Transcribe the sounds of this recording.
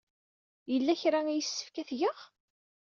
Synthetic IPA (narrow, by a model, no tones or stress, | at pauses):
jəlːæçɾaæjəsːə̥fkæθʝəʁ